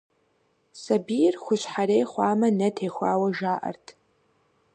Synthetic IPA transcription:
sɐbijrxʷʊɕʷħaɾeːjχʷaːmɐnɐtʰeːχʷa̰ːwɐʒaːʔɐ̰rtʰ

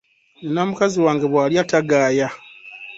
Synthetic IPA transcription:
nenamukaziwaːŋɡe̞βwaːljataɡaːja

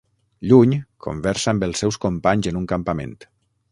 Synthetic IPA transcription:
ʎuɲkʰo̰mbɛɾsambəlˠsɛwskompaɲzənuŋkampamḛnt̪

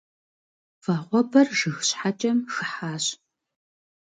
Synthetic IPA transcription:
vaːʁʷɔbɐrʒɨxɕħat͡ʃʼɐmxɨħaːɕ

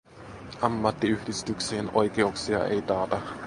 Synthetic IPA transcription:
ɑmːɑt̪ːiyhdist̪ykseːnʔo̞jkeuksiɑ̰ʔe̞̰jt̪ɑːt̪ɑ

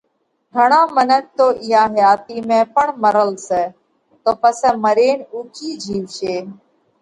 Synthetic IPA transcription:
ɡʱəɳaːmənək̚t̪oːʔɪɦaːɦəjaːt̪iːmẽːpəɳməɾəlseː | t̪oːpəsɛ̃ːməɾeːɳuːkiːd͡ʒʱiːʋʃeː

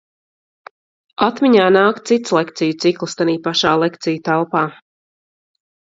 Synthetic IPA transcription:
at̪miɲaːnaːkt̪sit̪slˠekt̪sijut̪siklˠst̪aniːpaʃaːlˠekt̪sijut̪alˠpaː

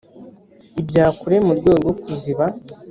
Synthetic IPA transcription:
ibjaːkuɾe̞muɾɡweːɡɡo̞kuziβa

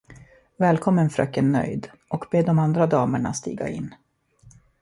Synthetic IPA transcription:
vɛːlkʰɔmːənfɾœkːənːœ̰jd̪ | ʔɔkbeːd̪ɔmand̪ɾad̪ɑːməɳa̰st̪ḭːɡa̰ɪ̰nː

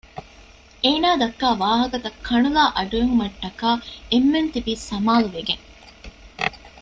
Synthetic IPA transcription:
ʔeːnaːd̪ɐkːaːʋaːɦɐkɐt̪ɐkʰːɐɳulaːʔɐɖujeɦumɐʈːɐkaːemːent̪ibiːsɐmaːluʋeɡeŋ

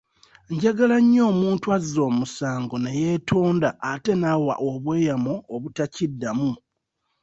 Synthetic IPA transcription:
ɲɟaɡalaɲːo̞ːmuːntwazo̞ːmusaːŋɡoneje̞tʰoːndaːte̞nawa̰ʔoβwe̞ːjamoːβutacidːamu

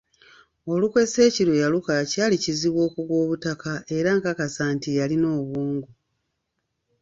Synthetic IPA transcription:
o̞lukwe̞se̞ːcilojalukacaːliciziβwo̞ːkuɡwo̞ːβutakaʔe̞ɾaŋkakasaːntijalino̞ːβuːŋɡu

